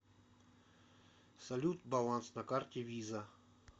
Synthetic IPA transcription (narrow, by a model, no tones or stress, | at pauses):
sɐlʲut̪bɐlˠansnɐkartʲɪvʲizə